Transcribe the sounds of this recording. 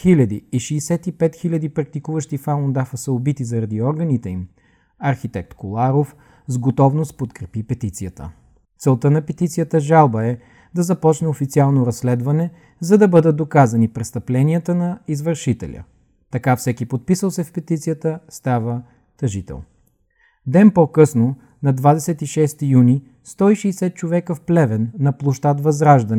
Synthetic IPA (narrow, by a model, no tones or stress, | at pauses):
xilʲɐd̪ḭːʃiːsɛt̪ipɛt̪xilʲɐd̪ipɾɐk̚t̪ikuvəʃt̪ifalˠond̪afəsəobit̪izɐɾɐd̪iɔɾɡənit̪ɛim | ɐɾxit̪ɛk̚t̪kolˠaɾof | zɡot̪ɔvnost̪̚pot̪kɾɛpipɛt̪it̪sijət̪ə̰ | t̪sɛlˠt̪ənɐpɛt̪it̪sijət̪əʒalˠbəɛ | d̪ɐzɐpɔt͡ʃnɛofit̪sialˠnoɾɐsːlɛd̪vɐnɛ | zɐd̪ɐbɤd̪ət̪̚d̪okazɐnipɾɛst̪ɐplɛniət̪ənɐizvəɾʃit̪ɛ̰lʲə̰ | t̪ɐkafsɛkipot̪̚pisəlˠsɛfpɛt̪it̪sijət̪əst̪avə | t̪ɐʒit̪ɛ̰lˠn | d̪ɛnpɔkɤsno | nɐd̪vad̪ɛsɛt̪iʃɛst̪ijuni | st̪ɔiʃɛsɛt̪̚t͡ʃovɛkəfplɛvɛnːɐplˠoʃt̪at̪vɐzɾaʒd̪ɐnɛ